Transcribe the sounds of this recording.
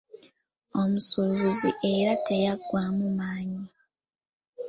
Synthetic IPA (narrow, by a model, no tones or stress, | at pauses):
omusuβuziʔe̞ɾate̞jaɡwamumaːɲi